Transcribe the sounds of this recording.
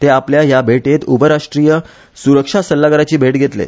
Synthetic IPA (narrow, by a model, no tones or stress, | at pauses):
t̪eapljajabʱeʈet̪ubəɾaʂʈɾijə | suɾəkʂasəlːaɡəɾat͡ɕiːbʱeʈɡʱet̪lḛ